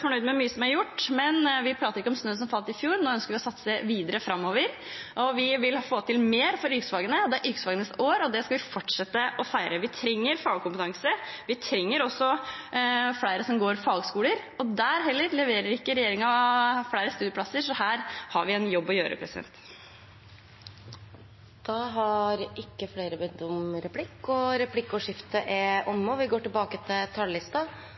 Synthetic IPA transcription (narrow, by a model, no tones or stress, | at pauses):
fɔɳœʏd̪mɛmyːəsɔmæɾjʊʈːmɛnʋɪpʰɾɑːt̪əɾɪkːɔmsnøːs̬ɔmfɑlt̪ɾɪfjuːɾnoːœnskəɾʋɪɔsɑt̪sːə̥sæɪʋiːd̪əɾəfɾɑmːoːʋəɾ | ʔɔʋɪʋɪlfoːt̪ʰɪlmeːɾfɔɾʏksfɑːɡənəɔd̪ɛæɾʔʏksfɑːɡənəsoːɾɔd̪ɛskɑʋɪfɔʈʂɛt̪ːəʔɔfæɪɾəʋɪt̪ʰɾɛŋːəɾfɑːɡkʊmpət̪ʰɑŋsəʋɪt̪ʰɾɛŋːəɾɔsːɔ | fɽæɪɾəsɔmɡoːɾfɑːɡskuːləɾ | ɔd̪æːɾɦɛlːəɾlɛʋeːɾəɾɪkːəɾɛjeːɾɪŋɑfɽæɪɾəst̪ʉːd̪əplɑsəɾʂɔɦæːɾhɑɾʋɪɛnjɔbːɔjø̰ːɾə̰pʰɾɛsɪd̪ɛ̰nt̪ | d̪̥ɑːɦɑɾɪkːəfleːɾəbɛd̪ɔmɾɛpʰlɪkːɔɾɛpʰlɪkːɔʂɪft̪əʔɛʔɔmːəʋɪɡoːʈɪlbɑːkət̪ʰɪlt̪ʰɑllɪst̪ɑ